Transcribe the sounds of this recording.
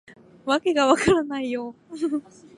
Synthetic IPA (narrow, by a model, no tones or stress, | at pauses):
βake̞ɡaβakaɾanaijo